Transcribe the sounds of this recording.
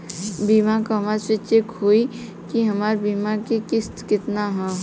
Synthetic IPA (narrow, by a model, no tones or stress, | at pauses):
biːmakaɦmaːɾsɪt͡ʃekɦoːi | kiɦɐmaːɾbiːmakekɪst̪kɪt̪naɦɛ̃